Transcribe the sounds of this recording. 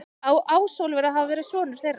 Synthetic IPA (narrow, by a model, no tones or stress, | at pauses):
awʔaːwsowlvɛːɾaðɦavavɛːɾɪsvɔːnʏɾ̥θejrːa